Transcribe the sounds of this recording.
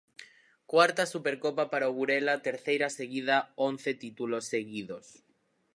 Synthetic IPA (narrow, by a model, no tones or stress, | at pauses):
kwaɾt̪asupeɾkopapaɾaoɣuɾelat̪eɾθejɾaseɣiðaon̟θet̪it̪ulosːeɣiðos